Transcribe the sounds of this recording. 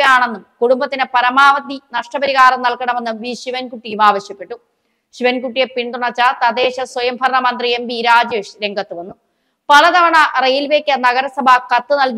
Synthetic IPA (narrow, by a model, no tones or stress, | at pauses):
jaːɳe̞nːumkuɽumbɐt̪ːinɨpɐɾɐmaːʋɐt̪ːinɐʂʈɐbɐɾiɣaːɾɐmnɐlkɐɳɐme̞nːumʋiːɕiʋɐnkuʈːijumaːʋɐɕjɐpːeʈːu | ɕiʋɐnkuʈːijepiɳd̪uɳɐt͡ɕːɐt̪ɐd̪e̞ːɕɐswɐjɐmbʱɐɾɳɐmɐnd̪riembiɾaːd͡ʑeːʂɾe̞ŋɡʱɐt̪ːuʋɐnːu | pɐlɐd̪ɐʋɐɳɐrejilʋe̞ːkʲːɐnɐɣɐɾɐsɐbʱɐkɐt̪ːɨnɐlk